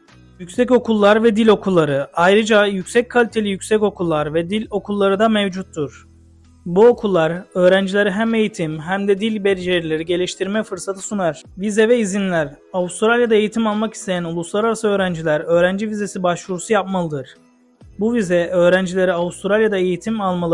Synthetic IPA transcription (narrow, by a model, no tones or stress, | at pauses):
jycʲsɛco̞kʰulˠːaɾvɛd̪ilʲo̞kʰulˠːaɾɯʔajɾɯd͡ʒajycsɛc̚kʰalʲit̪ʰe̞lʲijycʲsɛco̞kʰulˠːaɾvɛd̪ilʲo̞kʰulˠːaɾɯd̪amɛvd͡ʒut̪ʰːuɾ̥ | buo̞kʰulˠːaɾøːɾænd͡ʒilʲe̞ɾiɦæme̞jit̪ʰimɦæmd̪ɛd̪ilʲbeɾd͡ʒeɾlʲiɾɟe̞lʲiʃt̪ʰiɾmɛfɯɾsat̪ʰɯ̥sunaɾ̥vizɛvɛizinlʲæɾ | avust̪ɾalʲjad̪ae̞jit̪ʰimalˠmaki̥st̪ʰe̞jænulˠuslˠaɾaɾasɯø̞ːɾænd͡ʒilʲæɾø̞ːɾænd͡ʒivize̞sibaʃvuɾusujap̚malˠɯd̪ɯɾ̥ | buvizɛʔø̞ːɾænd͡ʒilʲe̞ɾiavust̪ʰɾalʲjad̪ae̞jit̪ʰimalˠmalˠɯ